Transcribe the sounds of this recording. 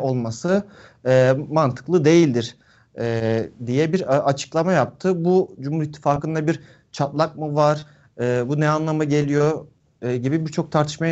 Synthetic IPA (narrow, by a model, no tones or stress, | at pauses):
o̞lˠmasɯ | ɛːmant̪ʰɯ̥klˠɯd̪e̞jilʲd̪iɾ̥ | ɛːd̪ijɛbiɾat͡ʃʰɯ̥klˠamajap̚t̪ʰɯbud͡ʒumhuɾit̪ʰːi̥faːkɯnd̪abiɾ | t͡ʃʰat̪lˠak̚mɯvaɾ̥ | ɯːbunɛanlˠamaɟe̞lʲijo̞ | ɟibibiɾt͡ʃʰo̞k̚t̪ʰaɾt̪ʰɯʃmaj